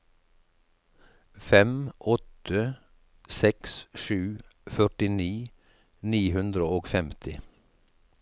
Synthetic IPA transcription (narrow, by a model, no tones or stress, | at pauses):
fɛmʔɔt̪ʰə | sɛksʃʉːfœʈɪniː | niːhʉnd̪ɾəoːɡfɛmt̪ʰɪ